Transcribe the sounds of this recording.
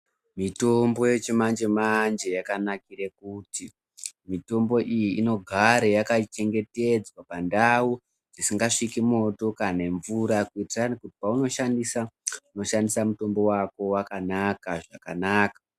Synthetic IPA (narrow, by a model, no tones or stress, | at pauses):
mito̞mbo̞je̞t͡ʃemand͡ʒemand͡ʒe̞jakanakiɾe̞kuti | mito̞mbo̞ʔijiino̞ɡʱaɾejakat͡ʃe̞ŋɡe̞te̞d͡zwapandau | d͡zisiŋɡaʂikimo̞to̞kane̞ɱvuɾakuitiranikuti̥pauno̞ʃandisauno̞ʃandisamuto̞mbo̞wako̞wakanakaʐakanaːkḁ